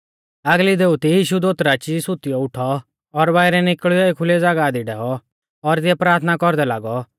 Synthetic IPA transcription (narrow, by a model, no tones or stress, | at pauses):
aɡlid̪eut̪ijiːʃud̪oːt̪ɾat͡ʃisʊt̪ɪjɔʊʈʰɔː | ɾbaːɪɾɛnɪkɭɪjɔekʰʊlɛd͡zaːɡaːd̪iɖɛɦɔ | ɔɾt̪ɪɛpɾaːɾt̪ʰnakɔɾd̪ɛlaːɡɔ